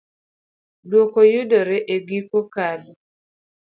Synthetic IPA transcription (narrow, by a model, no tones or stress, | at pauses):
dwokojʊdɔɾɛʔeɡikokalo